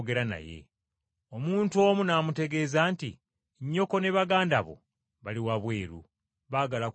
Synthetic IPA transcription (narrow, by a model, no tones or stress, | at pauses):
ɡe̞ɾana̰je̞̰ | omuːntuo̞ːmunaːmute̞ɡe̞ːzaːnti | ɲːo̞ko̞ne̞βaɡaːndaβo̰ | βaliwaβwe̞ːɾṵ | βaːɡala